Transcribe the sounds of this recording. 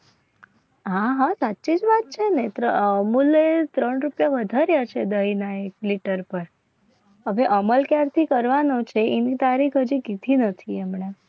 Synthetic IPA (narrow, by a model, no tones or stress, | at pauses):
ɦaɦasatːt͡ʃid͡ʒʋat̪̚t͡ʃʰenet̪ɾəəmulet̪ɾəɳɾupjaʋəd̪ʱaɾjat͡ʃʰed̪əɦinaekliʈəɾpəɾ | ɦəʋeʔəməlkjaɾt̪ʰikəɾʋanot͡ʃʰeenit̪aɾikʰɦəd͡ʒikid̪ʱinət̪ʰiɛmɳe